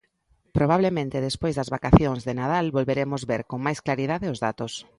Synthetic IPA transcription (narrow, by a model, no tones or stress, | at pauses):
pɾoβaβlemẽnt̪eðespojzðɐzβakaθjoŋzðenaðalβolβeɾemozβeɾkoŋmajsklaɾið̞aðeʊzðat̪os